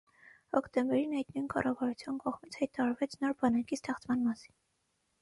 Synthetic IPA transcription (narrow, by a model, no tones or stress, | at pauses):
hɔkt̪ɛmbɛɾinɑjt̪nujnkɑ̰rɑvɑɾut͡sʰjunkɔʁmit͡sʰhɑjt̪ɑɑɾvɛt͡sʰnɔɾbɑnɑkist̪ɛχt͡smɑnmɑsi̥n